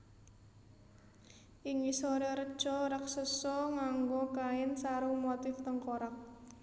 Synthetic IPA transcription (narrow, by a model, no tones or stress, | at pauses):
ʔiŋisoɾɛɾəd̥ʒ̥ɔɾaksəsɔŋaŋɡokaɪnsaɾumot̪ɪft̪əŋkoɾak̚